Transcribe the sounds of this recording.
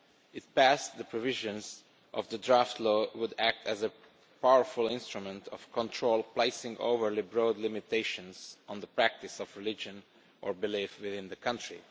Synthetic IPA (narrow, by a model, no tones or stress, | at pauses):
ɪt̚pæsðəpɹɔvɪʒə̃nz | ʔɔvðədɹaft̪loːwʊdæk̚tʰæzə | pawəɹfʊlˠɪ̃nst̪ɹumɛ̃ntʰɔfkɔ̃ntʰɹoʊlˠpleɪsɪ̃ŋɡo̰vəɹlibɹoʊd̪lɪmɪt̪eɪʃə̃nzʔɔ̃ndəpɹæk̚tɪsɔvɹɪlɪd͡ʒə̃n | ʔɔɹbɪlifwɪðɪ̃nd̪əkʰʌ̃ntɹḭ